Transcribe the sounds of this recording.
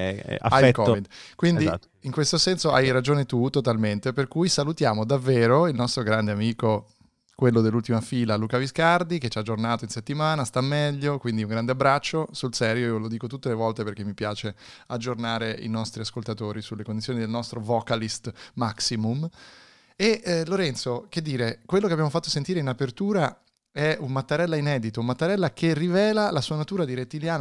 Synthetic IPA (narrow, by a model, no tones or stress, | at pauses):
ɛ̰a̰ajɛkɔvid̪kwind̪i | iŋkwest̪osɛnsoajɾad͡ʒoːnet̪ut̪ot̪alment̪eperkujsalut̪jaːmod̪avːeːɾoilnɔst̪ɾoɡɾand̪eamiːko | kwelːod̪elːult̪imafiːlaluːkaviskard̪iket͡ʃːaːd͡ʒːornaːt̪oinset̪ːimaːnast̪amːɛʎːokwind̪iuŋɡɾand̪eabːɾat͡ʃːosulsɛːɾjoiolod̪iːkot̪ut̪ːelevɔlt̪eperk̟emːipjaːt͡ʃe | ad͡ʒːornaːɾeḭnɔst̪ɾiaskolt̪at̪oːɾisulːekond̪it̪sjonid̪elnɔst̪ɾovɔkalist̪maksimum | eloɾɛnt̪sok̟ed̪ːiːɾekwelːokeabjamofat̪ːosent̪iːɾeinapert̪uːɾa | ɛunmat̪ːaɾɛlːainɛːd̪it̪oumat̪ːaɾɛlːakʰerːivɛːlalasuːanat̪uːɾad̪iɾet̪ːiljaːn